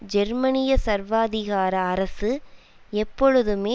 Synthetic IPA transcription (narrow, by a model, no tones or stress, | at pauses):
d͡ʒɛɾmɐnɪjɐsɐɾʋaːðɪɣaːɾɐːɾɐsɯ | ɛpːɔɻɯðɯmeː